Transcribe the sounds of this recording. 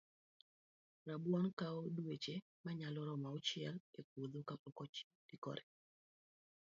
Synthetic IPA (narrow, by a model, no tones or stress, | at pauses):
rabwɔnkaodwet͡ʃe | maɲalɔɾɔmaɔt͡ʃɪɛlek̚wod̪okapɔkɔt͡ʃ | d̥ikɔ̰ɾɛ